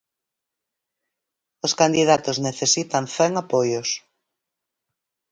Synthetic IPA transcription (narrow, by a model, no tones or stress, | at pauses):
oskand̪iðat̪ozneθesit̪anθɛŋapojʊs